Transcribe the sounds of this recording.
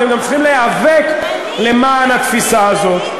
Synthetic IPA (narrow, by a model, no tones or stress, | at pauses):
emɡamt͡sχimleavek | le̞maːnat̪fisaːzo̞t̪